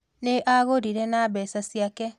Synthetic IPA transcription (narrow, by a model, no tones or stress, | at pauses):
neʔaɣoɾiɾɛnabɛsasiakɛ